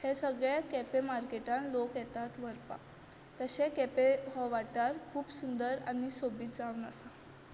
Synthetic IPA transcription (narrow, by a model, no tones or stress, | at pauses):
hesəɡɭjakepemaɾkeʈãnlokjɛt̪at̪ʋəɾpa̰ | t̪əɕekepeɦɔʋaʈaɾkʰuːpsund̪əɾa̰nisobiːt̪̚d͡zaʋnasa